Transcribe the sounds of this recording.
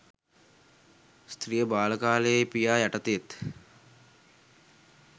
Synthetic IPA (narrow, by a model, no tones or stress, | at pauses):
st̪ɾijəbaːləkaːləjepijaːjaʈət̪et̪